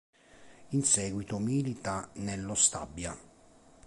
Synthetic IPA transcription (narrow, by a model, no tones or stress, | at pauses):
insɛːɡwit̪omilit̪anelːost̪a̰bːja